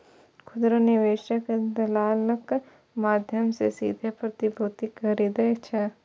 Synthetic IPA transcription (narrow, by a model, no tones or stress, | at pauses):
kʰʊd̪ɾənɪʋeːʃəkd̪ɐlaːlək | maːd̪ʱjəmsḛsḭːd̪ʱepɾɐt̪ibʱuːt̪ikʰɐɾiːd̪et͡ʃʰɛ